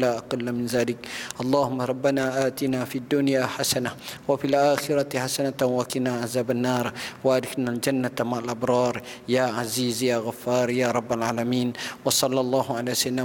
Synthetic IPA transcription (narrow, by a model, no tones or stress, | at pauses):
laːʔɑqɑlːamɪnzaːlɪkʔɑlˤːɑːhʊmːɑɾˤɑbːanaːʔaːt̪inaːfid̪ːʊnjaːħasanawafilʔaːxɪɾaħasanawakɪnaʕazaːbanːɑːɾˤwaʔad̪ɪxnald͡ʒanːat̪maʕalʔɑbɾˤɑːɾˤjaːʕaziːzjaːɣafːɑːɾˤjaːɾˤɑbːalʕaːlamiːnwɑsˤɑlːɑlˤːɑːhʊʕalaːsanːa